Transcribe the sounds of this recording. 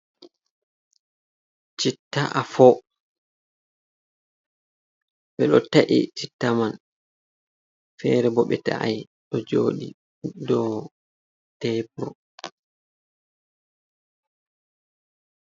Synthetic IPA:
t͡ʃitːaʔafɔ | ɓɛɗɔtaʔḭt͡ʃitːaman | fɛːɾɛbɔɓɛta̰ʔaj | ɗɔd͡ʒoːɗḭ | dɔ | tɛpɾɔ

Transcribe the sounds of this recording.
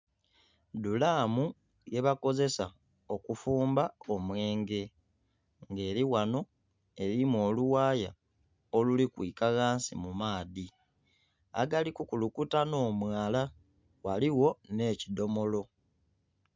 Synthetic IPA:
dulaːmu | je̞βako̞ze̞sa | o̞kufuːmbao̞mwe̞ːŋɡe̞ | ŋɡe̞ːɾiwano̞ | e̞ɾimo̞ːluwaːja̰ | olulikwḭːkaɣaːnsimumaːði | a̰ɡalikukulukutano̞ːmwaːla | waliwo̞ne̞ːcido̞mo̞lo̞

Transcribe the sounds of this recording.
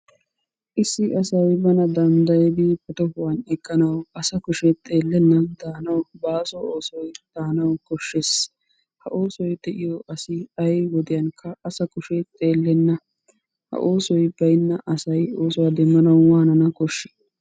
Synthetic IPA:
ʔɪsːɪɐsɐjbɐnɐd̪ɐnd̪ɐjɛd̪ipɐt̪ɔhʊwɐnɛkːɐnɐwɐsɐkʊʃɛt̪ʼe̞ːlːɛnːɐd̪̥aːnɐwbaːsɔoːsɔjd̪̥aːnɐwkɔʃːes | hɐʔo̞ːsɔjd̪ɛʔɪjoʔɐsɪɐjwɔd̪ɪjɐŋkʰːɐʔːsɐkʊʃɛt̪ʼːe̞ːlːɛnːɐ | hɐ̰ʔo̞ːsɔjbɐjɪnːɐʔɐsɐjo̞ːsɔwad̪ɛmːɐnɐwwaːnɐnɐkɔʃːɛ̥

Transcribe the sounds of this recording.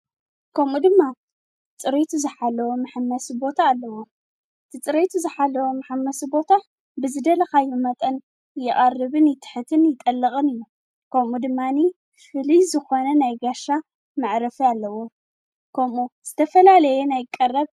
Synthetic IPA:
kʰɐmud̪ɨmːa | t͡sʼɨɾet̪ʰuzɨħalːɐwomaħamːɐsɨbo̞t̪ʰaːlːɐwo | ʔɨt̪ʰit͡sʼɨɾet̪ʰuzɨħalːɐwomaħamːɐsɨbo̞t̪ʰa | bɨzɨd̪ɐlɐxajɪmɐt̪ʼɐn | jɪʔʼarːɨβɨnjɪt̪ʰɨ̥ħɨt̪ʰɨnjɪt̪ʼɐlːɨχʼɨnɨjːu | kʰɐmud̪ɨmːani | fɨlizɨxo̞nɐnajɡaʃa | maʕɾɐfialːɐwo | kʰɐmuz̥ɨt̪ʰɐfɐlalɐjɛnajkʼɐrːɐβ

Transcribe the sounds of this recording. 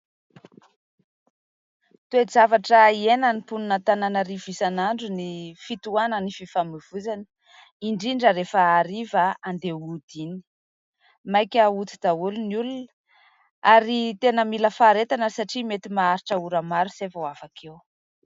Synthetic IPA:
t̪uezavaʈ͡ʂəienənipununət̪ananəɾivisanaɳɖ͡ʐunifit̪uanənififamiv̥uzanə̥ | iɳɖ͡ʐiɳɖ͡ʐəɾefəaɾivəand̪eud̪ini̥ | majkʲəut̪id̪̥aulunulunə̥ | aɾit̪enəmiləfaɾet̪anəsaʈ͡ʂimet̪imaaɾiʈ͡ʂəuɾamaɾusevawafakʰew

